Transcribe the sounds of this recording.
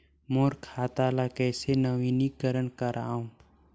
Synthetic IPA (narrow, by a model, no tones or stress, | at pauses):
moːɾkʰaːt̪aːlakɛːsenəʋiːnikəɾənkəɾaːũː